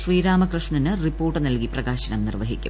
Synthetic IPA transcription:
ʂriːɾaːmɐkrɨʂɳɐnɨripːo̞ːrʈːɨnɐlkiprɐɣaːɕɐnɐmnirʋɐɦikʲːṵm

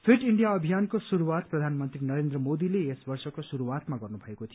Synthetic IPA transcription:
pʰiʈiɳɖijaʌbʱijankosuɾuwat̪̚prʌd̪ʱanmʌnt̪rinʌɾend̪rʌmod̪ileesbʌrsʌkosuɾuwat̪maɡʌrnubʱʌekot̪ʰijo

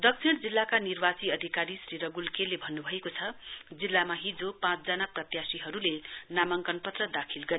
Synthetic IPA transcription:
d̪ʌk̚sʰiɽ̃d͡zilːakanirbat͡siʌd̪ʱikaɾisriɾʌɡulkelebʱʌnːubʱʌekot͡sʰʌd͡zilːamaɦid͡zopãt͡sd͡zʌnaprʌt̪jasiɦʌɾulenamʌŋkʌnpʌt̪rʌd̪akʰilɡʌɾe

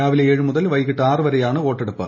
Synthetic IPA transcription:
jaːʋileeːɻɨmuðɐlʋɐjkːiʈːɨaːrɨʋɐɾejaːɳɨo̞ːʈːeɽupːɨ̰

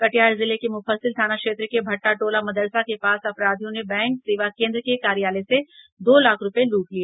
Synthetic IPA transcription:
kɐʈjaːɾzɪlekemʊfəlsɪlt̪ʰaːnakʃeːt̪ɾkebʱɐʈːaʈoːlamɐd̪əɾsakepaːsɐpɾaːd̪ʱijõnebɛ̃ːŋkseːʋakẽːnd̪ɾəkekaːɾijaːlese | d̪oːlaːkʰɾʊpeluːʈlieː

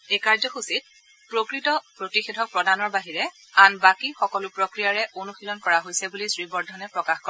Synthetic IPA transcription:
ekaɹzɔxusit̚ | pɹokɹitɔpɹotixedʱɔk̚pɹɔdanɔɹbaɦiɹɛ | anbakixɔkɔlʊpɹokɹijaɹɛʔonuxilɔnkɔɹaɦojsɛbulisɹibɔɹdʱɔnɛpɹɔkaxkɔɛ

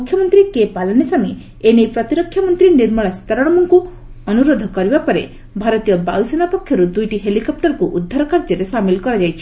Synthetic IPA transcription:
mukʰjɔmɔnt̪ɾikepalɔnesami | enejpɾɔt̪iɾɔkʰːjɔmɔnt̪ɾiniɾmɔɭ̃asi̥t̪aɾɔɽ̃ɔmɔŋku | ɔnuɾod̪ʱɔkɔɾibapɔɾe | bʱaɾɔt̪ijɔbawsenapɔkʰːjɔɾud̪ujʈiɦelikɔp̚ʈɔɾkuʔud̪ʱːaɾɔkaɾd͡ʒɔɾesamilkɔɾad͡ʒajt͡ʃʰi̥

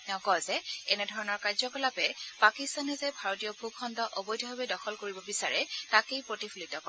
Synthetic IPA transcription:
ɛʊ̃kɔzɛɛnɛdʱɔɹɔnɔɹkaɹzɔkɔlapɛpakistanɛzɛbʱaɹotijɔbʱukʰːɔndɔʔɔbɔjdʱɔɦɔbɛdɔxʰɔlkoɹibɔbisaɹɛtakejpɹotipʰulitɔpa

